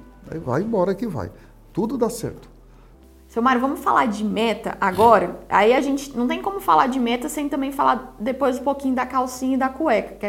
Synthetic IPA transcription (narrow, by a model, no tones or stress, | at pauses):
a̰iva̰j̃bɔɾɐkɪva̰j | t̪ud̪ʊd̪asɛ̰ɾt̪ʊ̥ | sewmaɾʊvɐ̃mʊsfalaɾd͡ʒɪmɛt̪ɐ̰ʔaɡɔɾɐa̰iaʒẽnt͡ʃɪ̥nɐ̃t̪ẽj̃kõmʊfalaɾd͡ʒɪmɛt̪ɐsẽj̃t̪ɐ̃bẽj̃falaɾd̪epojzũpokĩɲʊd̪ɐkawsĩɲɐid̪ɐkuɛkɐ̥kɛ